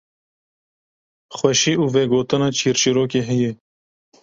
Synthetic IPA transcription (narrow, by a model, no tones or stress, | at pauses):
xʷwɛʃiːʔuːvɛɡoːt̪ɨnɑːt͡ʃʰiːɾt͡ʃiɾoːkeːɦɛjɛ